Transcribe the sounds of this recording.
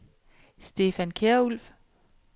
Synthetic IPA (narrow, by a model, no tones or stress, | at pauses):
sd̥e̝ːfænkʰeɐul̰f